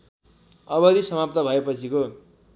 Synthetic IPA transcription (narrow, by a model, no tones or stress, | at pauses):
ʌbʌd̪isʌmap̚t̪ʌbʱʌepʌt͡sʰiko